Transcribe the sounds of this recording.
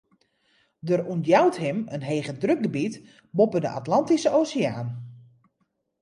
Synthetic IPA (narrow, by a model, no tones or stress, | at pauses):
dərundjawthɪmənɦeːɣədrøk̚ɡəbit | bopədəʔa̰tlɑntisəoːsiaːn